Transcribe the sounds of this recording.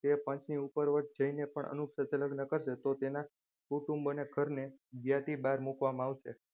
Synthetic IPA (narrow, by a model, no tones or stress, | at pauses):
t̪epə̃ɲt͡ʃniupəɾʋəʈ̚ʰd͡ʒəinepəɳə̰nukʃət̪ʰeləɡnəkəɾʃet̪ot̪ena | kuʈũmbəneɡʱəɾneɡjat̪ibaɾmukʋamãaʋʃḛ